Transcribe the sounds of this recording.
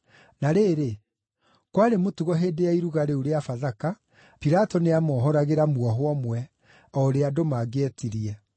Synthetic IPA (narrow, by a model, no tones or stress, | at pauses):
naɾeːɾe | kwaɾemotuɣɔɦeːdeaiɾuɣaɾeoɾeafaðaka | piɾatɔneamɔːɦɔɾaɣeɾamwɔɦwɔmwɛ | ɔɾeadomaɡeɛtiɾiɛ